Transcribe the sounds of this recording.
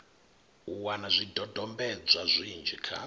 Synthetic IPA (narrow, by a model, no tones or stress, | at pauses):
uwanazʷidʱɔdʱɔmbɛd͡zʷazʷind͡ʒɛkʰa̰